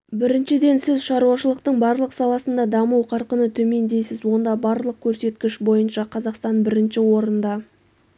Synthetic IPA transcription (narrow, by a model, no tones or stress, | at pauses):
bɪɾɪnʃɪd̪e̞nsɪzʃɑɾuɑʃəlˠəqt̪əɴbɑɾlˠəqsɑlˠɑsənd̪ɑd̪ɑmuwqʰɑɾqənət̪ʰɵme̞nd̪e̞jsɪzwo̞nd̪ɑbɑɾlˠəq̚kʲʰɵɾse̞t̪kʲɪʃbo̞jənʃɑqʰɑzɑqst̪ɑnbɪɾɪnʃɪwo̞ɾənd̪ɑ